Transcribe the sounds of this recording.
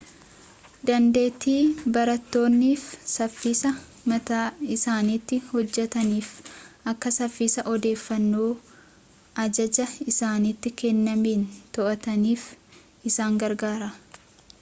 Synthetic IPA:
d̪ɐnd̪e̞ːt̪iːbɐɾɐt̪ːo̞ːnːiːfsɐfːiːsɐ | mɐt̪aːɪsaːniːt̪ːɪhɔd͡ʒːɛt̪ɐniːfʔɐkːɐsɐfːiːsɐʔɔd̪e̞ːfːɐnːoː | ʔɐd͡ʒɐd͡ʒɐɪsaːniːt̪ːɪkɛnːɐmiːnt̪ɔʔɐt̪ɐniːf | ʔɪsaːŋɡɐɾɡaːɾɐ

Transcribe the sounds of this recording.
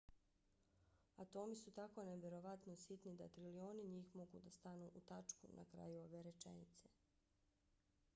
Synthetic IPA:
at̪o̞misut̪ako̞neʋje̞ɾo̞ʋat̪no̞shit̪nid̪at̪ɾilio̞ːniɲiːxmo̞ɡud̪ast̪anuʔut̪at͡ʃkunʔa̰kɾa̰juo̞ʋeɾet͡ʃḛnit̪se

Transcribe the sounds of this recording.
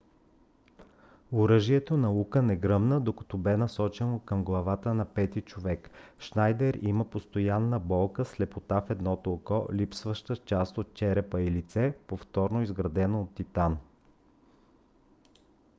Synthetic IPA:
ʊɾɤʒiɛt̪onɐukənɛɡɾɤmnəd̪okɐ̥t̪ɔbɛnɐsɔt͡ʃɛnokəmɡlˠɐvat̪ənɐpɛt̪it͡ʃovɛkʃnajd̪ɛɾiməpost̪ojanːəbɔlˠkəslɛpot̪afɛd̪nɔt̪olˠkɔlipsvəʃt̪ət͡ʃast̪ot̪̚t͡ʃɛɾɛpəilit̪sɛpoft̪ɔɾnoizɡɾɐd̪ɛnoot̪ːit̪an

